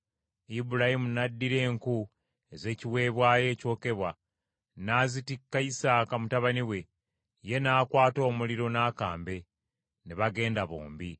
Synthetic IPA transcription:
ibuɾahimunadːiɾe̞ːŋku | eze̞ːciwe̞ːβwaːje̞ːco̞ːke̞βwa | naːzitikːaisaːkamutaβaniwe̞ | je̞naːkwaːto̞ːmuliɾo̞naːkaːmbe̞ | neβaɡe̞ːndaβo̰ːmbi

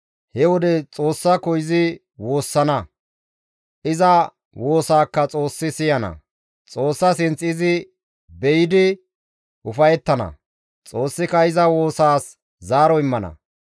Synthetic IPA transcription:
hɛwɔd̪ɛt͡sʼo̞ːsːɐkɔjɪzɪ | woːsːɐnɐ | ʔɪzɐ | wo̞ːsaːkːɐt͡sʼo̞ːsːɪsɪjɐnɐ̰ | t͡sʼo̞ːsːɐsɪnt͡sʼɪzɪ | bɛjɪd̪ɪ | ʔʊfɐjɛt̪ːɐnɐ̰ | t͡sʼo̞ːsːɪkɐɪzɐwo̞ːsaːs | zaːɾɔɪmːɐnɐ̰

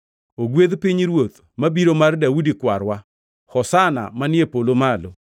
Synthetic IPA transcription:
oɡweðpiɲɾwot̪ | mabiɾomardaudikwaɾwa | xɔsana̰manɪepolomalo

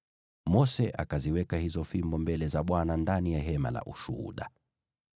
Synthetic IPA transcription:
mɔsɛʔa̰kaziwɛkahizɔfimbɔmbɛlɛzaɓwanandanijaɦɛma̰la̰ʔuʃṵhṵɗa

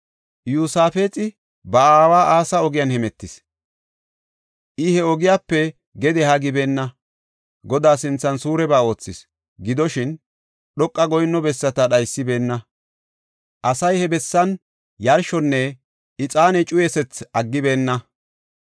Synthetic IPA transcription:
juːsaːfe̞ːt͡sʼɪ | bɐaːwaːʔaːsɐɔɡɪjɐnhɛmɛt̪ːɪs | ʔɪhɛɔɡɪjaːpːɛ | ɡɛd̪ɛhɐɡɪbe̞ːnːɐ | ɡɔd̪aːsɪnt͡sːɐnsuːɾɛbaːo̞ːt͡sːɪs | ɡɪd̪ɔʃɪn | ɗɔkʼːɐɡɔjnːɔbɛsːɐt̪ɐɗɐjsːɪbe̞ːnːɐ | ʔɐsɐjhɛbɛsːɐn | jɐɾʃɔnːɛ | ʔɪt͡sʼaːnɛt͡ʃʼʊjɛsɛt͡sɐɡːɪbe̞ːnːɐ

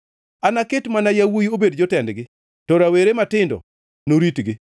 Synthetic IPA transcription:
anakɪtmanajawujiobedd͡ʒɔtɛndɡɪ | tɔɾaweɾematɪndɔ̰ | noɾitɡɪ

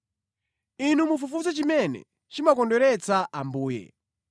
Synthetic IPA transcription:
inumufufut͡sɔt͡ʃimɛnɛ̰ | t͡ʃimakɔndɔɾɛt͡saʔambuːjɛ̰

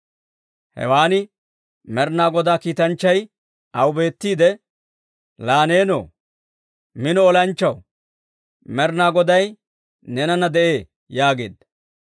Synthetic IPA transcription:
hɛ̰waːnɪ | mɛɾnaːɡɔd̪aːkiːt̪ɐnt͡ʃːɐj | ʔɐwʊbe̞ːt̪ːiːd̪ɛ | laːne̞ːno̰ː | mɪnɔɔlɐnt͡ʃːɐw | mɛɾnaːɡɔd̪ɐj | nɛnɐnɐd̪ɛʔeː | jaːɡe̞ːd̪ɐ

